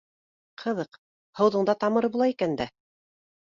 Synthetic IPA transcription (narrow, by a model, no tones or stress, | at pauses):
qʰɤ̆ðɤq | hɤ̆wðɤ̆ɴd̪ɑt̪ɑmɤ̆ɾɤbulˠɑikænd̪æ